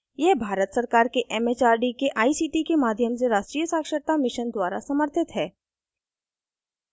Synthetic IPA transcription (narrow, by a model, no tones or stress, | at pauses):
jebʱaːɾət̪sɐɾkaːɾkeʔɛːmeːt͡ʃaːɾɖikeʔaːisiːʈikemaːd̪ʱjəmseɾaːʃʈɾiːjəsaːkʃət̪amɪʃənd̪waːɾa̰sɐməɾt̪ʰɪt̪ɦɛː